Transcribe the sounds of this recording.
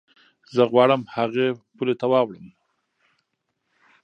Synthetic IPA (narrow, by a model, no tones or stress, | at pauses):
zəɣwɑɽəmhaɣepulet̪awɑwɽəm